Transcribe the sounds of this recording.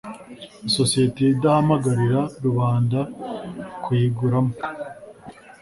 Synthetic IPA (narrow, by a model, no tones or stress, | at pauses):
isosijeteidahamaɡaɾiɾaɾuβaːnda | kwiːɡuɾamo